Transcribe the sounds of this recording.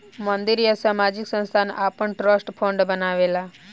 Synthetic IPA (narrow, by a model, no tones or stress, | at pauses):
mənd̪iɾjəsaːmad͡ʒiksə̃nst̪ʰana̰pəɳʈɾəsʈpʰõɳɖbənaʋela